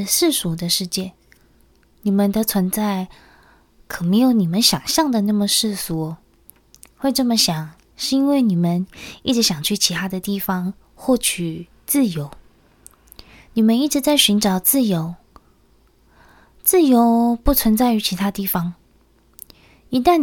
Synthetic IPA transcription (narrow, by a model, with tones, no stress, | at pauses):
ʂɻ̩˥˩ʂu˧˥d̪ə˧ʂɻ̩˥˧t͡ɕjɛ˥˩ | ni˨˩mə˦nd̪ə˧t͡sʰwə˧˥nt͡sa˥˩ɪ | kʰɤ˨˩me˧˥ɪjo˧˥ʊni˨˩mə˨˦nɕjɑ˨˩ŋɕjɑ˥˩ŋd̪ə˨na˥˩mə˨ʂɻ̩˥˩swɔ˧˥ | we˥˧ɪʈ͡ʂɤ˥˩mə˨ɕjɑ˨˩ŋ | ʂɻ̩˥˩i˥nwe˥˩ɪni˨˩mə˨˦ni˥˩ʈ͡ʂɻ̩˧˥ɕjɑ˨˩ŋt͡ɕʰy˥˩t͡ɕʰi˧˥t̪ʰa˥d̪ə˨t̪i˥˩fɑ˧ŋ | xwɔ˥˩t͡ɕʰy˨˩ | t͡sɹ̩˥˩jo˧˥ʊ | ni˨˩mə˦ni˥˩ʈ͡ʂɻ̩˧˦t͡sa˥˩ɪɕy˧˥nʈ͡ʂɑ˨˩ʊt͡sɹ̩˥˩jo˧˥ʊ | t͡sɹ̩˥˩jo˧˥ʊpu˥˩t͡sʰwə˧˦nt͡sa˥˩ɪy˧˥t͡ɕʰi˧˥t̪ʰa˥t̪i˥˩fɑ˧˦ŋ | i˧˥t̪a˥˨n